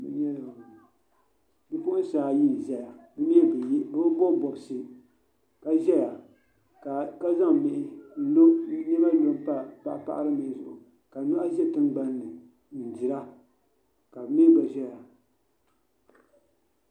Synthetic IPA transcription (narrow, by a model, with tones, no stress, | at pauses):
mɨ̰˦ɲɛ˦˨ | dɨ˦pʊ˦ʔʊ˦n˦saː˨ji˦˨ʒɛ˦ja˨bɨ˦mi˦ɛ˦bbɨ˦bbo˦˨bɔ˨bsɨ˦ | ka˦ʒɛ˦ja˨ | ka˨ka˦za˦ŋmɪ˨ʔɪ˦n̩˦lo˦ɲɛ˦ba˦lo˦m˦pa˦pa˨ʔa˦pa̰˦ʔa̰˦ɾɨ˦mɪ˨ʔɪ˦zʊ˨ʔʊ˨ | ka˨nu˦ʔa˦ʒɛ˦˨tɨ˦nɡ͡ba˦nːɨ˨ | n̩˨di˨ɾa˦ | ka˨bɨ˦mi˦ɛ˦ba˨ʒɛ˦ja˨